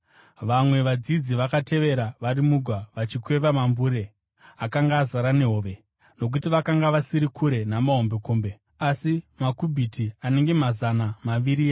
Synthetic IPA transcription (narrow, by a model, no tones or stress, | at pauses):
ʋamwe̞ʋad͡zid͡ziʋakate̞ʋe̞ɾaʋaɾimuɡʱwaʋat͡ʃikwe̞ʋamambuːɾe̞ | akaŋɡaːzaɾane̞ɦoːʋe̞ | no̞k̬utiʋakaŋɡaʋasiɾikʰuɾe̞namaɦo̞mbekoːmbe̞ | asimakubʱitʰiane̞ŋɡe̞mazanamaʋiɾia